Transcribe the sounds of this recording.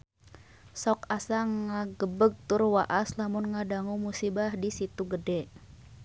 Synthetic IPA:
sɔkasaŋaɡəbəɡ̚t̪ʊrwaʔaslamʊnŋadaŋumusibahdisit̪uɡədɛ

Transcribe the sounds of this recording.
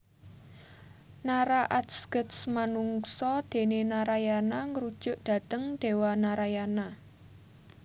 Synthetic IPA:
naɾaʔat̪sɡ̥ət̪smanuŋsɔd̪̥e̤nenaɾajanaŋɾud̥ʒ̥ʊ̤ʔd̪̥ä̤t̪əŋd̪̥e̤wanaɾajana

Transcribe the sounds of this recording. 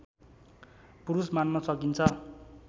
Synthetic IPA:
puɾusmanmasʌkint͡sʰʌ

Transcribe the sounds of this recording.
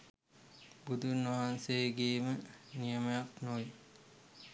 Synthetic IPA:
bud̪unʋɐɦansejɡeːmənijəməjaknoj

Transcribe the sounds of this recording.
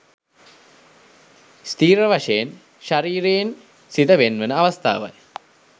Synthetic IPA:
st̪iːɾəʋaʂejen | ʃaɾiːɾejen | sid̪əʋenʋənəaʋɐst̪a̰ːʋa̰j

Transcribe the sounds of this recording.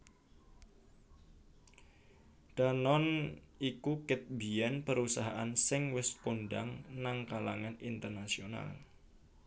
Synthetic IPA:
d̥anɔnikukɪt̪̚biɛnpəɾusaɦaʔansɪŋwɛsponɖa̰ŋnaŋkalaŋanint̪ərnasiona̰l

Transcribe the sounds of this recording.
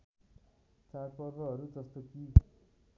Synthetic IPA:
t͡sarpʌrbʌɦʌɾud͡zʌst̪oki

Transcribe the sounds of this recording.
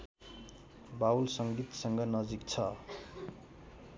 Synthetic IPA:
bawlsʌŋɡit̪sʌŋɡʌnʌd͡zikt͡sʰʌ

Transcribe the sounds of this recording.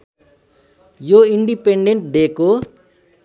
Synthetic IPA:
joiɳɖipeɳɖeɳʈ̚ɖ̪eko

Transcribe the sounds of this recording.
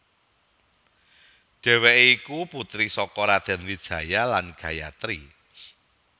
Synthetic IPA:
ʒ̥ɛ̤weʔeikuput̪ɾisɔkɔɾad̪̥ɛ̤nwid̥ʒ̥ä̤jalanɡ̥ä̤ja̰t̪ɾi

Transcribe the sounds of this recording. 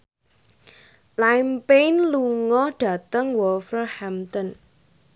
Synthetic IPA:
lajmpenluŋɔɖ̥ä̤t̪əŋwɔlfərhamt̪ən

